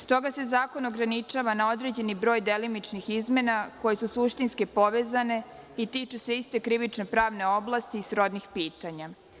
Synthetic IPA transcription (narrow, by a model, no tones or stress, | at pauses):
st̪o̞ɡase̞zaːko̞no̞ɡɾanit͡ʃaʋanao̞d̪ɾe̞d͡ʑe̞nibɾo̞ːjd̪e̞limit͡ʃnixizme̞nako̞je̞susuʃt̪inskipo̞ʋezane̞ | it̪it͡ʃuse̞ist̪e̞kɾiʋit͡ʃnopɾaːʋne̞o̞blˠast̪iːsɾo̞d̪nixpiːt̪aɲa